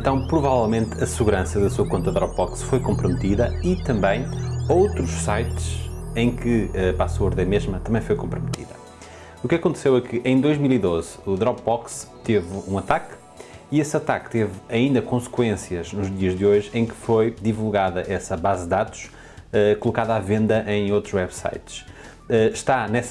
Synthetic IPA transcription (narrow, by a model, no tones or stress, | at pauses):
ẽt̪ɐ̃w̃pɾuvavɛlˠmẽnt̪ɐsɨɣuɾɐ̃sɐðɐsuɐkõnt̪ɐðɾɔβbɔksfojkõmpɾumt̪iðɐit̪ɐ̃mbɐ̃j̃owt̪ɾuʃsajt̪ʃẽj̃kɨɐpasoɾðɐ̃meʒmɐt̪ɐ̃mbɐ̃j̃fojkõmpɾumt̪ḭðɐ | ukɐkõnt̪sewɛkɨʔẽj̃d̪ojʒmilˠiðozuðɾɔpbɔkst̪evũɐt̪ak | iesɐt̪akt̪evɐĩnd̪ɐkõskwẽsiɐʒnuʒðiɐʒðɨoʒẽj̃kɨ̥fojd̪ivulˠɣaðɐʔɛsɐβazd̪aðu̥ʃ | ɛkulˠukaðavẽnd̪ɐʔẽj̃owt̪ɾʒwɛβsa̰jt̪ʃ | ɛʃt̪anɛs